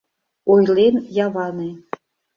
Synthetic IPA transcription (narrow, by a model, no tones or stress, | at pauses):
ojlenjɑβɑne